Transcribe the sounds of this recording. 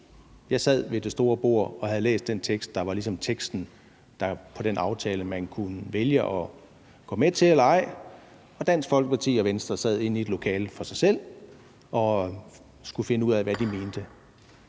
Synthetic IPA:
jɑ̈ɪsæð̞̰ˠʋe̝d̥e̝sd̥o̝ːɐb̥o̝ɐ̰ɒ̽hæð̞̩ˠlḛːsd̥ent͡sʰeɡ̥sd̥ɑ̈ʋɑ̈lisɒ̽mt͡sʰeɡ̥sd̥n̩ | d̥ɑ̈pʰɒ̽ɾ̥enɑ̈ʊt͡sʰɛːləmænkʰunəʋeljəʔɒ̽ | ɡ̥ɒ̽ːmet͡sʰe̝elɐɑ̈ɪ̰ | ɒ̽d̥æn̰sɡ̥fɒ̽lɡ̥əpʰɑ̈t͡sʰḭːɒ̽ʋensd̥ʁɐsæð̞̰ˠe̝n̰ie̝d̥lo̝kʰɛ̰ːlfɒ̽sɑ̈ɪsel̰ | ɒ̽ | sɡ̥ufe̝nəuð̞̰ˠæʋæd̥ime̝ːnd̥ə

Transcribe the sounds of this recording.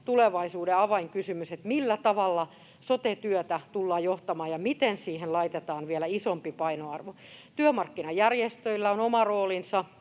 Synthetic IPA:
t̪uleʋɑisuːdeɑʋɑiŋkysymyset̪milːæt̪ɑʋɑlːɑ | sot̪et̪yøt̪æt̪ulːɑːjoht̪ɑmɑːjɑmit̪ensiːhenlɑit̪et̪ɑːnʋielæisompipɑinoɑrʋo | t̪yømɑrkːinɑjærjest̪øilːæonomɑroːlinsɑ

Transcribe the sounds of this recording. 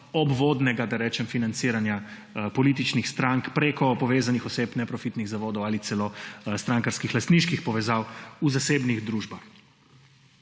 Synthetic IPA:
ɔbʋod̪nɛɡad̪aɾɛːt͡ʃɛmfinant̪siːɾanja | pɔlit̪it͡ʃnixst̪ɾaŋkpɾekɔpɔʋeːzanixɔseːpnɛpɾɔfit̪niɣzaʋoːd̪ɔwalit̪sɛlost̪ɾaŋkaɾskixlast̪niʃkixpɔʋɛzawuzaseːbniɣd̪ɾuːʒbax

